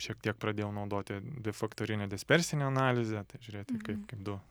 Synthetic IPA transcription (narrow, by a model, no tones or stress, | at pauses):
ʃʲiɛk̚t̪ʲiɛk̚pɾɐd̪ʲeːjɛʊnɐʊd̪oːt̪ʲɪd̪ʲɛfɐkt̪oːɾʲɪnʲɛd̪ʲɛsʲpʲɛɾʲsʲɪnʲeɐnɑːlʲɪzʲɛt̪ɐɪʒʲʊɾʲeːt̪ʲɪkɐɪpkɐɪpd̪ʊ